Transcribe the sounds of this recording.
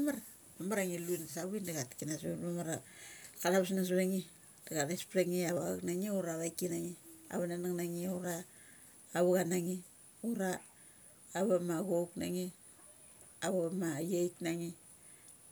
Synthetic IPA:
amaɾa | mamaɾaŋiluinsaβindaɣatkinasmamaɾakalaβasnas̬βeŋi | daɣataspɾeŋiaβaknaŋiuɾaβajkinaŋia̰βananaŋnaŋioɾaː | βuɣanaŋi | uɾaː | βamaɣokna̰ŋi | aβamajejknaŋi

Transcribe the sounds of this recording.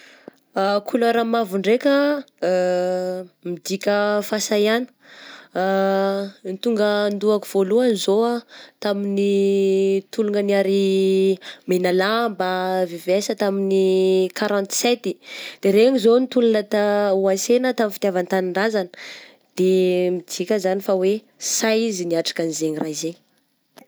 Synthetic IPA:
akʰuloɾamavuɳɖ͡ʐekʲə | mid̪ikʲəfasajanə̥ | nit̪uŋɡənd̪uakuv̥oluanizoat̪amini | t̪uluŋəniaɾi | menalambavivɛsət̪aminikaɾɔ̃nt̪sɛt̪id̪̥eɾeɲizonit̪ulunət̪auasenət̪aminfi̥t̪javant̪aniɳɖ͡ʐazanə̥ | d̪̥emid͡zikʲəzanifawe | sajiziniaʈ͡ʂḁkanizeɲrazeɲ

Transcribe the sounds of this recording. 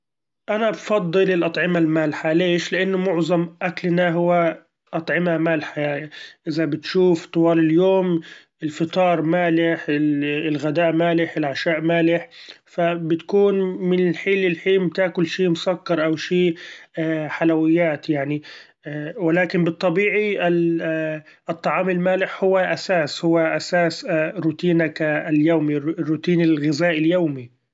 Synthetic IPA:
ʔanabfɑd̪ˤːɨlɪlʔɑt̪ˤʕɪmalmaːlħaleːʃlɪʔanːʊmʊʕzˤɑmʔaklnaɦʊwːa | ʔɑt̪ˤʕɪmamaːlħaʔɪzabɪt̪ʃuːft̪ˤʊwɑːlɪljoːmʔɪlfɨt̪ˤɑːɾˤmaːlɪħɪɪlɣad̪aːʔmaːlɪħɪlʕaʃaːʔmaːlɪħfabɪt̪kuːnmɪnɪlħiːlɪlħiːmt̪aːkʊlʃiːmʊsakːɑɾˤʔawʃiː | ħalawɪjːaːt̪jaʕni | wɪlaːkɪmbɨt̪ˤːɑbiːʕiɪ | t̪ˤːɑʕɑːmɪlmaːlɪħhʊwːaʔasaːshʊwːaʔasaːsɾʊt̪iːnakaljaːmirːʊt̪iːnɪlɣɪzaːʔɪljaːmi

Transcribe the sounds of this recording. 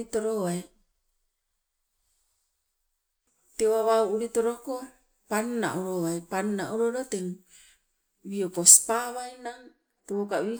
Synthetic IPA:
it̪oɾoai | t̪ewaβauːɾit̪ɔɾoko | panna̰ʔuɾoaipannaʔuɾoɾot̪ɛŋ | wiokospaβainaŋ | t̪ewokawi

